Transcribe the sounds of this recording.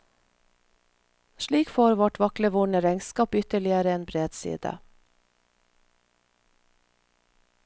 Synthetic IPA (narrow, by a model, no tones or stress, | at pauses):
ʃɭiːkfoːɾʋɔʈʋɑkləʋʊɳəɾɛŋskɑːpʏt̪əɭɪəɾəeːnbɾeːd̪sḭːd̪ə̰